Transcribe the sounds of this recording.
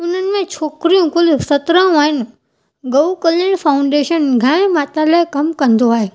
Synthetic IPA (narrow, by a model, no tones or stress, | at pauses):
ʊn̤ənɪ̆mẽt͡ɕʰoːkɾijũkʊlsɐt̪ɾə̃ũaːɦɪnɪ̆ | ɡɐukələɽ̃fʰaːʊ̃ɳɖeːʃənɡʱãːmaːt̪alaːɪkɐmkɐ̃nd̪oaːɦeː